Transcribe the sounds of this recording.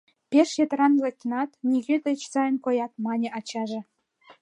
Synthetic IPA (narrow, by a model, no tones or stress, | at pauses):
pʲeʃjĕt̪ɾɑnlˠetʲːnɑt̪nʲiɣʲet̪ɘ̆t͡ɕsɑjə̆nkojɑt̪mɑnʲĕʔɑt͡ɕɑʒĕ